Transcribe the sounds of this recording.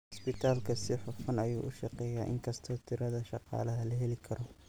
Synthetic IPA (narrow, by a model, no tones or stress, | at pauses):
spɪt̪ʰaːlkʰɐsɪħʊfɐnɐjuːʔʊʃɑqɛːjaːʔɪ̰ŋkʰɐst̪ʰɔːt̪ʰɪɾɐðɐʃɑqɑ̰ːlɐɦɐlɐɦɛlɪkʰɐɾɔ